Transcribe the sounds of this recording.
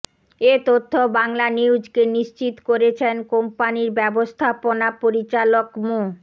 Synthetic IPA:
et̪ot̪ʰːobaŋlaniwd͡ʑkeniʃt͡ɕit̪koɾet͡ɕʰenkompaniɾbɛbost̪ʰaponapoɾit͡ɕalokmo

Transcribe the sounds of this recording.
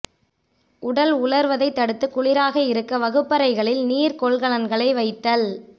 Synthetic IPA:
ʊɽɐlʊɭɐɾʋɐðɐɪt̪ːɐɽɯt̪ːɯkːʊɭɪɾaːɣɐɪɾɯkːɐʋɐɣɯpːɐɾɐɪɣɐɭɪlniːɾkɔɭɣɐɭɐnɡɐɭɐɪʋɐɪt̪ːɐl

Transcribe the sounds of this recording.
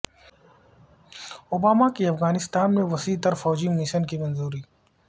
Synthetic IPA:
obaːmakiɐfɣaːnɪst̪aːnmẽʋɐsiːt̪ɐɾfɔːd͡ʒimɪʃənkimɐnzuːɾiː

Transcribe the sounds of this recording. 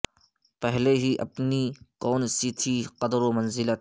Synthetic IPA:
pɛɦleɦiʔɐ̰pnikɔːnsit̪ʰiqɐd̪ɾomɐnzɪlat̪

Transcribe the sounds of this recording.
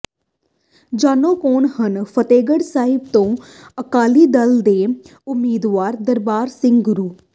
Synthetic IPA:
d͡ʒaːnõːkoːnhənpʰət̪eːɡəɽsaːɦɪbt̪õː | əkaːliːd̪əld̪eː | ʊmːiːd̪ʋaːɾd̪əɾbaːɾsɪ̃ŋɡɡʊɾuː

